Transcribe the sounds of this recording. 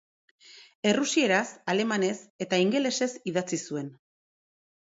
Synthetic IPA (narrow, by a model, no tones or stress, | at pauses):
e̞rusie̞ɾasale̞mane̞se̞t̪aiŋɡe̞le̞se̞siðat͡sisue̞n